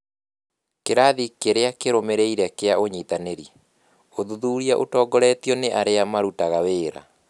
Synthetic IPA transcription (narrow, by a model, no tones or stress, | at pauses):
keɾaːðikeɾeakeɾomeɾeiɾɛkeaoɲiːtaneɾi | oðuðuːɾiaʔotɔːɡɔɾɛt̪jɔneʔaɾeamaɾutaɣaweːɾa̰